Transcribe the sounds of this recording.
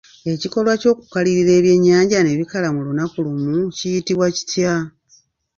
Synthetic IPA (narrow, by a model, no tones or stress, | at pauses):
e̞ciko̞lwaco̞ːku̥kaliɾiɾe̞ːβje̞ɲːaːɲɟane̞βikalamulunakulumucijitiβwaci̥tja